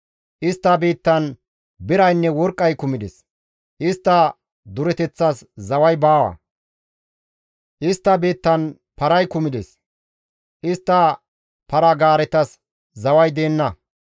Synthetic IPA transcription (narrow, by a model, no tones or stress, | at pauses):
ʔɪst̪ːɐbiːt̪ːɐn | bɪɾɐjnːɛwɔɾkʼːɐjkʊmɪd̪ɛs | ʔɪst̪ːɐ | d̪ʊɾɛt̪ɛt͡sːɐszɐwɐjbaːwɐ̰ | ʔɪst̪ːɐbiːt̪ːɐn | pɐɾɐjkʊmɪd̪ɛs | ʔɪst̪ːɐ | pɐɾɐɡaːɾɛt̪ɐs | zɐwɐjd̪eːnːɐ